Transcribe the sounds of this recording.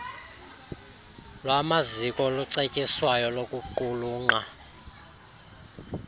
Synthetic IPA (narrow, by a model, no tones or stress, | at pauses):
lwamazikʼɔluǀekʼiswajɔlokʼuǃuluːŋ͡ǃa